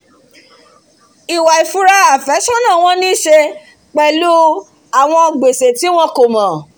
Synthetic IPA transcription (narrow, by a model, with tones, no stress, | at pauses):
i˨wa˨i˨fu˨ɾa˧a˨fɛ˨˦ʃɔ̃˦nã˦˨w̃ɔ̃˧nĩ˦ʃe˧ | k͡pɛ˨lu˦ | a˨w̃ɔ̃˧ɡ͡be˨se˨ti˨˦w̃ɔ̃˧˦ko˨mɔ̃˨